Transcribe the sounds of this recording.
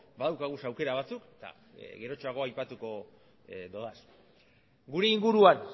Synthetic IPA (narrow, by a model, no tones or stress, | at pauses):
baðawkaɣ̞usawke̞ɾaβ̞at͡suket̪a̰ | ɣe̞ɾo̞t͡ʃo̞aɣo̞ajpat̪uko̞ | d̪o̞ðas | ɡuɾe̞iŋɡuɾuan